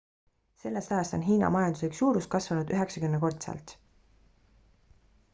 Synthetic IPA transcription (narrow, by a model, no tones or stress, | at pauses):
se̞lːe̞st̪ɑjɑst̪o̞nɦiːnɑ̰mɑjɑnd̪usiksjuːɾust̪̚kɑsvɑnud̪yɦe̞ksɑkymneko̞rt̪sɑ̰lt̪ˑ